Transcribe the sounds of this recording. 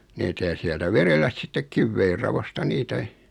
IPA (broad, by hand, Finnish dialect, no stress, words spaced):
nitæ jɑ siɛltæ ʋerelːæs sitːek kiʋːeirːɑʋostɑ niːtæ